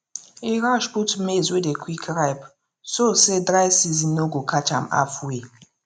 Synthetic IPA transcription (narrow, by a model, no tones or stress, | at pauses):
iɾaʃbutmezwedekʰwikɾajp | sosedɾajsizinoɡokʰat͡ʃam̩a̰fwe